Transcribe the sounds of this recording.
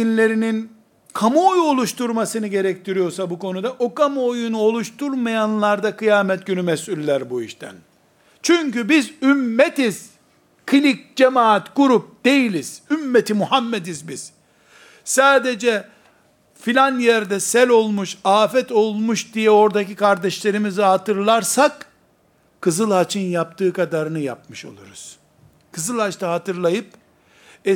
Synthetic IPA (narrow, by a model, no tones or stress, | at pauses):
inlʲe̞ɾinin | kʰamuojo̞lˠuʃt̪uɾmasɯnɯɟe̞ɾɛc̚t̪ʰiɾijo̞ɾsabukʰo̞nud̪aʔokamuojunuo̞lˠuʃt̪ʰuɾmajanlˠaɾd̪akɯjaːmɛt̪̚ɟynymɛsylʲːæɾbuḭʃt̪ʰæ̰n | t͡ʃʰyɲcybizymːɛt̪iz̥ | kʰɯlʲic̚d͡ʒemaːat̪ɡ̥uɾup̚d̪̥e̞jilʲiz̥ymːet̪ʰimuhamːɛd̪izbiz̥ | saːd̪e̞d͡ʒɛ | filʲanjæɾd̪ɛsɛlʲo̞lˠmuʃaːfɛt̪o̞lˠmuʃd̪ijɛo̞ɾd̪acikaɾd̪ɛʃlʲe̞ɾimizɛɦat̪ɯɾlˠaɾsak | kʰɯzɯlˠhat͡ʃʰɯnjap̚t̪ʰɯːkad̪aɾɯnɯja̰p̚mɯʃo̞̰lˠuɾuz̥ | kʰɯzɯlˠhat͡ʃt̪aɦat̪ɯɾlˠajɯp | ɛ